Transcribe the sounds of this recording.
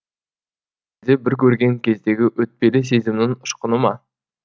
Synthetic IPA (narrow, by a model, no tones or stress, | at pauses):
ezd̪ebɪɾkʲʰɵɾɡʲe̞ŋkʲʰe̞zd̪e̞ɡʲɪʔɵt̪̚pe̞lɪs̬e̞zɪmnɪŋʊʃqənəmɑ